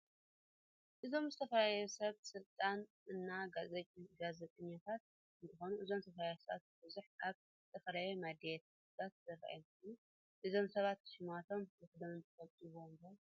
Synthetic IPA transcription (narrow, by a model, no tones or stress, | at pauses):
ʔɨzo̞mzɨt̪ʰɐfɐɾajosɐβsɨlt̪ʼanʔɨnːaɡazet͡ʃʼɡazet̪ʼɐɲːat̪ʰat̪̚ | nt̪ɨxo̞nuʔɨzo̞msʰɐfɾajesɐa̰t̪̚bɨzuħaβ | zɨt̪ʰɐfɐɾajemad̪ejɛt̪ | t̪ʼat̪̚zɐɾa̰jomkju | ʔɨzo̞msɐβat̪ʃɪmat̪ʰo̞mzɨxɨd̪ɐmɨnt̪ʰɨfɐβt̪ʼiβombɐ